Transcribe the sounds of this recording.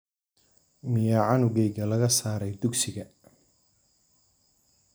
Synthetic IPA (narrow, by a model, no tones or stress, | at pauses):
mɪjaːʕɑnʊɡɛjɡɐlɐɣɐsaːɾɛjd̪ʊɡsɪɣɐ